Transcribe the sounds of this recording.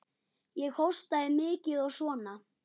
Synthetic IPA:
jɛɣhowst̪aðɪmɪːcɪðɔɣsvɔːna

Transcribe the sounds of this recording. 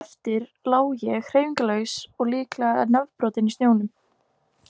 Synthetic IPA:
ft̪ɪɾlaːwjɛɣr̥ejviŋkalœɥwsɔɣliːklaa̰ðnavpɾɔːt̪ɪnist̪joːwnʏm

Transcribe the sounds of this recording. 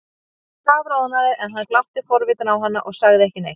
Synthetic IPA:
θaːvɾaːwðnaðɪʔɛnɦanːklawht̪ɪfɔɾvɪt̪ɪnawɦanːaʔɔɣsaɣðɪɛhcɪnḛj

